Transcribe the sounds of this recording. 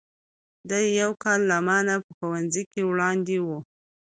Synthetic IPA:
d̪ajjawkɑlːamɑnapəxuwanzijkewɽɑnd̪ewu

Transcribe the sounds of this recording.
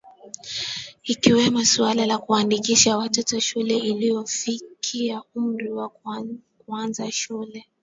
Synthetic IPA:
ikiwɛmɔsualalakuaandikiʃawatɔtɔʃulɛilijɔfikʰiaum̩ɾiwa | kuanzaʃulɛ

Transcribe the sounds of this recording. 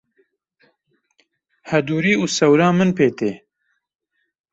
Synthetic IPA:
hɛd̪uːɾiːusɛwɾɑːmɨnpeːt̪eː

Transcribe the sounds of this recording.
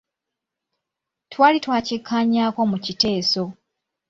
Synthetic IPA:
twaːlitwaːcikʰːaːɲaːko̞mucite̞ːso̞

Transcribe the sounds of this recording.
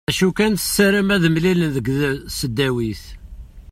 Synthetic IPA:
æʃukænθə̥sːəɾimæðəmlilənðəɡðsəd̪ːæwiθ

